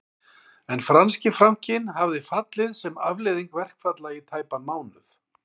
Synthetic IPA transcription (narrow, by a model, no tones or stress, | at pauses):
ɛnfɾanscɪfɾam̥cɪnɦavðɪfat̪lɪðsɛmavlɪðiŋkvɛr̥kfat̪lait̪ʰaːjpanmaːwnʏθ